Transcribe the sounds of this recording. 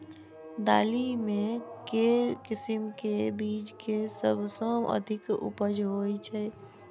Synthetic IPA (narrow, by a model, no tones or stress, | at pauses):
d̪a̰ːlimẽkeɾkɪsimkebiːd͡ʒkesəbʱsə̃ə̰d̪ʱɪkṵpəd͡ʒɦojt͡ʃʰɛ